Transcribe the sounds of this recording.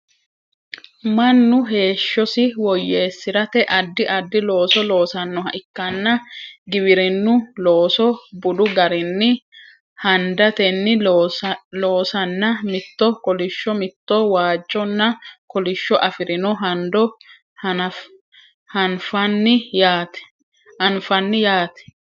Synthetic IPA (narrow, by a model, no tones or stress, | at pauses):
mɐnːʊɦe̞ːʃːɔsɪwɔjːe̞ːsːɪɾɐt̪ɛʔɐd̪ːɪʔɐd̪ːɪlo̞ːsɔlo̞ːsɐnːɔɦɐʔɪkːɐnːɐɡɪβɪɾɪnːʊlo̞ːsɔbʊd̪ʊɡɐɾɪnːɪ | hɐnd̪ɐt̪ɛnːɪ | lo̞ːsɐnːɐmɪt̪ːɔkɔlɪʃːɔmɪt̪ːowaːd͡ʒːɔnːɐkɔlɪʃːɔʔɐfɪɾɪnɔɦɐnd̪ɔ | hɐnfɐnːɪjaːt̪ɛ̥ | ɐnfɐnːɪjaːt̪ɛ̥